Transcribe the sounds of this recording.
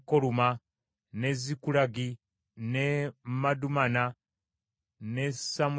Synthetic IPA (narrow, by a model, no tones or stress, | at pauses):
koluma | ne̞zikulaɡi | nemadumana | ne̞samu